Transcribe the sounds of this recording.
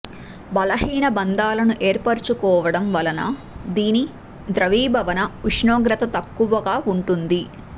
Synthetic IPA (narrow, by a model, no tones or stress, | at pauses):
bɐlɐɦiːnɐbɐnd̪aːlɐnuʔe̞ːɾpɐɾt͡ʃukɔːʋɐɽɐmʋɐlɐnɐ̰ | d̪iːni | d̪ɾɐʋiːbʱɐʋɐnɐuʂɳoːɡɾɐt̪ɐt̪ɐkːuʋɐɡaːuɳʈund̪i